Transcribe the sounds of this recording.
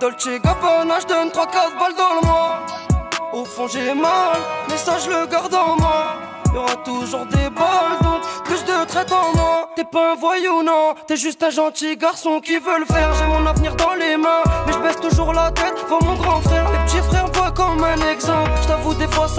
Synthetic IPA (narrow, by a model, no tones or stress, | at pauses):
d̪ɔlt̪eɡapɔnaʒəd̪ɔnt̪χwakaʁd̪əbald̪ɑ̃ləmwa | ofɔ̃ʒemalmɛsaʒələɡaʁd̪ɑ̃mwa | iljɔʁat̪uʒuʁd̪ebald̪ɔ̃plysd̪ət̪χɛt̪ɑ̃mwat̪ɛpaɛ̃vwajeunɔ̃t̪ɛʒyst̪ɛ̃ʒɑ̃t̪iɡaʁsɔ̃kʲivələfɛʁʒɛmɔ̃navniʁd̪ɑ̃lemɛ̃mɛʒəbɛst̪uʒuʁlat̪ɛt̪ʒvamɔ̃ɡʁɑ̃fχɛʁmepət̪ifχɛʁvwakɔmɛ̃nɛɡzɑ̃plʒə̥t̪avud̪efwas